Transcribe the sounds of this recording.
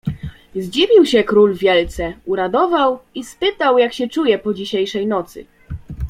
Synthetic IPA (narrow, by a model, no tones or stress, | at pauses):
zd͡ʑivʲiwɕɛkɾulvʲjɛlt̪sɛuɾad̪ɔvawispɘt̪awjakɕɛt͡ʂujɛpɔd͡ʑiɕejʂɛjnɔt̪sɘ̰